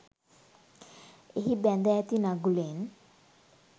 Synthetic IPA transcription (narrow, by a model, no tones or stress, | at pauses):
ehibɛnd̪ɛt̪inaɡulen